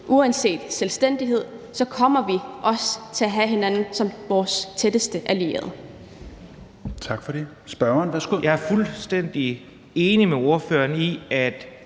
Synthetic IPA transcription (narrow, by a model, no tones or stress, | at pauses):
ʔuænse̝̰ːd̥selsd̥en̰d̥iɦe̝ð̞̰ˠsɒ̽kʰɒ̽m̰ɐʋiʔɒ̽st͡sʰe̝æɦæɦe̝nænn̩sɒ̽mʋɒːst͡sʰed̥əsd̥əʔælie̝̰ːɐð̩ˠ | t͡sʰɑ̈ɡ̥fɒde | sb̥ɶɐnʋæsɡ̥ojɑ̈æɐfulsd̥en̰d̥i | e̝ːnimeo̝ɐføːɐniæd̥